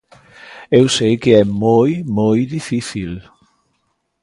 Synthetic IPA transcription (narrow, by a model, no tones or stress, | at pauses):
ewsejkeɛmojmojðifiθil